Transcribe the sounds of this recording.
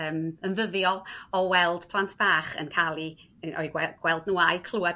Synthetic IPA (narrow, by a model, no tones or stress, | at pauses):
əːmənvəðjɔɔwɛlˠd̥pʰlˠantʰb̥aːχə̰nkʰalˠi | ɔ̰ɨɛɡ̥wɛlˠdnuajkʰl̥ˠua